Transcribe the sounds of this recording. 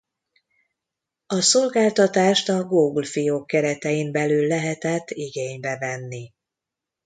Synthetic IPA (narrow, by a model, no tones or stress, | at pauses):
ɒso̞lɡaːlt̪ɒt̪aːʃt̪ɒɡoːɡulfijoːkːɛɾɛt̪ɛimbɛlylːɛɦɛt̪ɛt̪ːiɡeːɲbɛvɛnːi